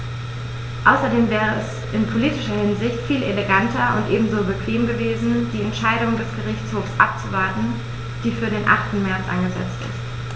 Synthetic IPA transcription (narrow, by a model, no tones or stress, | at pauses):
ʔaʊsɐdeːmvɛːʁ̞əɛs | ʔɪnpʰoliːtɪʃɐhɪnzɪçtfiːleleɡantʰɐʊ̰ntʔeːbm̩zoːbəkv̥eːmɡəveːzn̩d̥iːɛntʃaɪdʊŋdɛsɡ̥əʁɪçt͡shoːfsʔa̰p̚t͡suvaɐtn̩ | d̥iːfyːɐdeːnʔa̰χtn̩mɛɐt͡sʔa̰nɡəzɛ̰t͡stɪ̰st